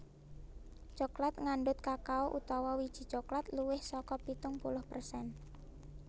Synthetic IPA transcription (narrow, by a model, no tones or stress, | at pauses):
t͡ʃoklat̪̚ŋaɳɖʊt̪̚kakaoʔut̪ɔwɔwid̥ʒ̥i̤̥t͡ʃoklat̪luwɪhsɔkɔpit̪ʊŋpulʊhpərsɛn